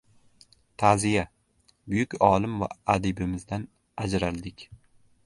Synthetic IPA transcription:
t̪ʰazija | bʊjʊkʲɒlˠɪmva̰ad̪ɪbɪmɪzd̪an | ad͡ʒɾalˠd̪ɪkʲ

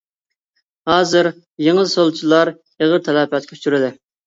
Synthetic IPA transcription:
hɑːzɨɾ | jeŋəlˠsolˠt͡ʃʰilˠɑɾ | eʁəɾt̪ʰɛlɛpʰɛt̪̚kʲʰy̥t͡ʃyɾɪd̪ɪ

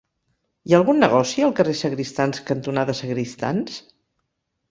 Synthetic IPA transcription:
iaəlˠɣunːəɣɔsiəlˠkəresəɣɾist̪anskənt̪unaðəsəɣɾist̪a̰ns

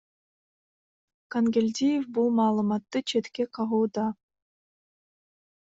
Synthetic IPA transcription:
kanɡʲelʲd̪ʲijefbulˠmɑːlˠɯmɑt̪ːɯt͡ʃʰet̪keqʰɑʁuːd̪ɑ

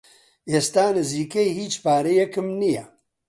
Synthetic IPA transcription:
eːst̪aːnɨziːkejhiːt͡ʃpaːɾejɛkɨmnijɛ

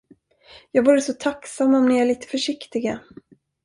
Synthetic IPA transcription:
jɑːɡvuːɾəsɔt̪ʰaksamːɔmnɛɭiːt̪ə̥fœʂɪkt̪ɪɡa

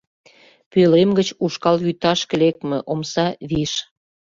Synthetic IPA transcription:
pølemɡət͡ɕuʃkɑljyt̪ɑʃkə̆lek̚t̪mĕʔomsɑβiʃ

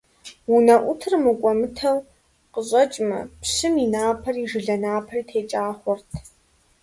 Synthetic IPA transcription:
unɐʔʷʊtʰɨrmɨkʷʼɔmɨtʰɐw | qəɕʼɐt͡ʃʼmɐ̰pɕɨminaːpʰɐriːʐɨɮɐnaːpʰɐriːtʰeːt͡ʃʼaːχʷɔrtʰ

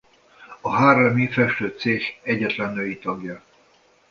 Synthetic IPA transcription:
ɒɦaːrlɛmifɛʃt̪øːt̪seːχɛɟːɛt̪lɛnːøːjit̪ɒɡjɒ

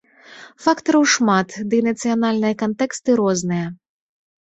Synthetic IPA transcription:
fakt̪ɐɾɐwʂmat̪d̪ɨnɐt̪sɨjanalʲnɨjɐkant̪ɛkst̪ɨɾɔznɨjɐ

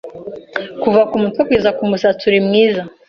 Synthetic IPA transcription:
kuvakumutwekwizakumusatʰuɾimŋiːza

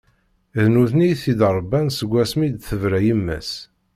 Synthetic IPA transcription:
ðnuθnijθid̪ɾˤbænsəɡʷːæsmid̪θəvɾæjəmːæ̰s

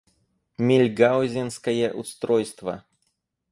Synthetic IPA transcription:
mʲilʲɡawzʲɪnskɐjɛʔust̪ɾɔjst̪vɐ̰

